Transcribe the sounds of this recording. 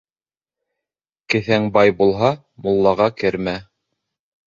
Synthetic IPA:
kɘ̆θæŋbɑjbulˠɦɑ | mŏlˠːɑʁɑkɘɾmæ

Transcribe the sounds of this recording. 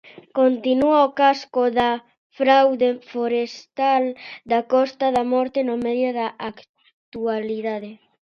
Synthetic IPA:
kont̪inuaokaskoða | fɾawðefoɾest̪ald̪akɔst̪aðamɔɾt̪enomɛðjoðaʔak | t̪ualiðaðe

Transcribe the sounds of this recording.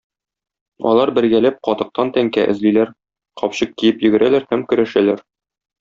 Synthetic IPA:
ɒ̰lˠɑɾbɘ̆ɾɡælæp̚qɒt̪ɤ̆q̚t̪ɑnt̪æŋkæʔɘ̆zlilæɾ | qɒpɕɤq̚kijɘpjɵ̆ɡɘ̆ɾʔælæɾhæmkɵ̆ɾæʃælæɾ

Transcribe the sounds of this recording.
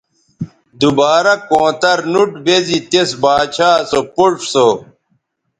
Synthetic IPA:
d̪ubaːɾɐkõːt̪ɐɾnuʈbezit̪esbaːt͡ɕʰaːsopuʂso

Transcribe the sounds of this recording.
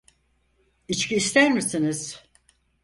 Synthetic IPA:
it͡ʃcʰiːst̪ʰæɾmisiniz̥

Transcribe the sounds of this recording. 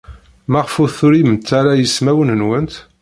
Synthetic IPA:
mæʁfuθʊɾimənt̪ːaɾajəsmæwənənwənt̪

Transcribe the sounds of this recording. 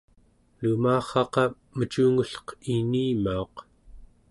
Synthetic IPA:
lumaːχɑqɑ | mət͡ʃuːŋuɬqiniːmaoq

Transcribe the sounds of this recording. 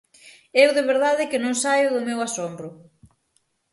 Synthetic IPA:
ewðɪβeɾðaðɪkɪnõŋsajʊðʊmewasombɾʊ

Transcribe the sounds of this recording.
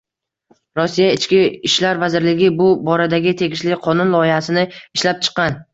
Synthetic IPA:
ɾɒsːijaɪt͡ʃkʲɪɪʃlaɾvazɪɾlɪɡʲɪbʊbɒɾad̪aɡʲɪt̪ʰe̞ɡʲɪʃlɪqʰɒnʊnlˠɒɪhasɪnɪɪʃlap̚t͡ʃʰɨ̥qːɑn

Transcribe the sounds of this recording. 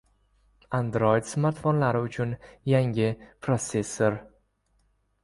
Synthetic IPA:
and̪ɾojɪd̪smaɾt̪fonlaɾɪʊt͡ʃʰʊnjaŋʲɪpʰɾosesːeɾ

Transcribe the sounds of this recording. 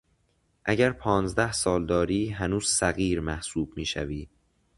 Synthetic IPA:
ʔæɟæɾpʰɒːnzd̪æhsɒːld̪ɒːɾiːɦænuːz̥sæɣiːɾmæhsuːb̥miːʃæ̰viː

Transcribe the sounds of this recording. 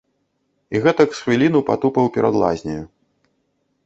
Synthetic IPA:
iɣɛt̪ɐksxvʲilʲinupat̪upɐwpʲɛɾad̪lˠa̰zʲnʲɐju

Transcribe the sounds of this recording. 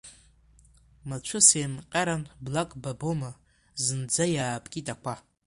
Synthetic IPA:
mat͡ʃʷʰʊsemqʲʼaɾanblakʼbaboma | zɨnd͡zajaːpʼkʲʼitʼakʷʰa

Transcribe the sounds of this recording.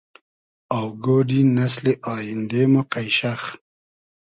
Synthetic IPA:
awɡoːɖinas̬leʔɑːjɪnd̪emoqajʃax

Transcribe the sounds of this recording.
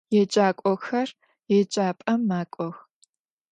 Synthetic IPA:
jɛt͡ʃʼaːkʷʼɔxɐr | jɛt͡ʃʼaːpʼɐmːaːkʷʼɔx

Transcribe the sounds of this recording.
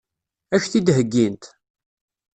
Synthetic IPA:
æçθid̪ɦəɡːint̪

